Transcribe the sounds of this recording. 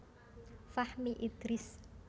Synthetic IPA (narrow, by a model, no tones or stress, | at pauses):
fahmiʔid̪̥ɾɪs